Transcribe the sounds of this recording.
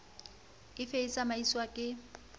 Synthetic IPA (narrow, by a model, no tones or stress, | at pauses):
kʼɪfeisamaiswakʼɪ